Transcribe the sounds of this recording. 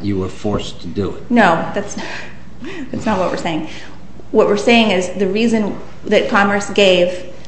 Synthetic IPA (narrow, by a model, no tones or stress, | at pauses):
ɨwə˞fɔɹstʰɨdɨ̰ɪ̰t̚noʊðætsn | ðættsnət̚wʌ̰t̚ʔwɨ̰˞seɪɪ̃ŋ | wʌʔ̚wɨɹseɪɪ̃ŋɪzðɨɹizɨ̃n | ðɨt̚kʰɑmə˞sɡ̥eɪv̥